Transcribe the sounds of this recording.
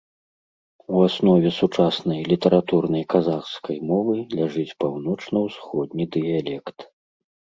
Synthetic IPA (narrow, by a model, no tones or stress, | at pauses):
uasnɔvʲɛsut͡ʂasnɐjlʲit̪ɐɾat̪urnɐjkazaxskʰɐjmɔvɨlʲaʐɨt͡sʲpawnɔt͡ʂnɐwsxɔd̪̚nʲid̪ɨjalʲɛkt̪